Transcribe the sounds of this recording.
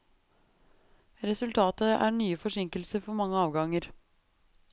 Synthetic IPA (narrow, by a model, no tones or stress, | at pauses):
ɾɛsʉlt̪ʰɑːt̪əæ̰ːɳyːəfɔʂɪŋkəl̩səfɔɾmɑŋːəɑːʋɡɑŋəɾ